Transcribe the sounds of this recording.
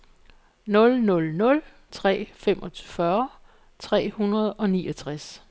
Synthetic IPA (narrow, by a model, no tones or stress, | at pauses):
nɔ̽lnɔ̽lnɔ̽l | t͡sʰʁɛ̰ːfemʔɒ̽t͡sʰy̥fɶɐ | t͡sʰʁɛ̰ːhunɐð̞ˠɒ̽niːɒt͡sʰʁas